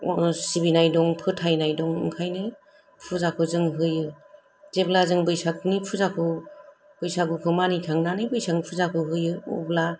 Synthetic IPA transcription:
sibinajdɔŋpʰɯtʰajnajdɔŋɯ̰ŋkʰajnɯ | pʰuzakʰɯzɯŋɦɯjɯ | zeblazɯŋbɯjsakʰnipʰuzakʰɯ | b̥ɯjsabɯkʰɯmanitʰaŋnanɯjbɯjsaŋpʰuzakʰɯɦɯjɯɔ̰bla

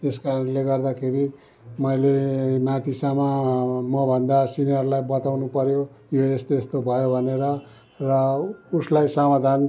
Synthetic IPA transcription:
t̪eskaɾʌnleɡʌrd̪akʰeɾi | mʌjlemat̪isamamʌbʱʌnd̪asinijʌrlajbʌt̪awnupʌɾjo | joest̪oest̪obʱʌjobʱʌneɾʌ | rʌuslajsʌmad̪ʱan

